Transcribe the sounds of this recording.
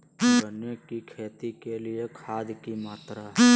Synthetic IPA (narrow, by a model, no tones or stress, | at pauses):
ənjekikʰeːt̪ikeliekʰaːd̪kimaːt̪ɾaɦɛ